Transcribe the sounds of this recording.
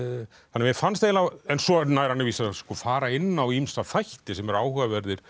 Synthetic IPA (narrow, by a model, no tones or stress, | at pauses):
θanːamjɛfanst̪ejnawɛnsɔnajɾ̥hanːɪviːsaskɔfaːɾaɪnːawimsaθajht̪ɪsɛmɛɾaːwhʏːɣavɛɾðɪɾ̥